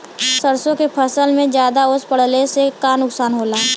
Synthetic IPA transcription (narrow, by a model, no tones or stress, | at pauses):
səɾsõkepʰəsəlmẽd͡ʒjaːd̪aʊspəɽ̤lesekanʊksaːnɦoːlaː